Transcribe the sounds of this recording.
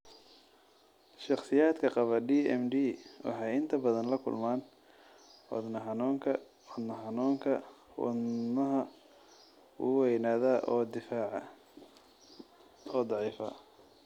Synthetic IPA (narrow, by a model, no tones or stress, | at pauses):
ʃɑχsɪjaːd̪kʰɐqɑβɐdiːɛmɖiːwɑ̰ħɑjɪnt̪ʰɐbɐðɐnlɐkʰʊ̰lmaːn | ɔ̰d̪nɐɦɑnuːŋkʰɐ | ɔd̪nɐhɑnuːŋkʰɐwɔ̰mɐɦɐ | ṵwɛjnaːðaːʔɔːd̪ɪfaːʕ | ɔːd̪ˤɑʕiːfɐ̰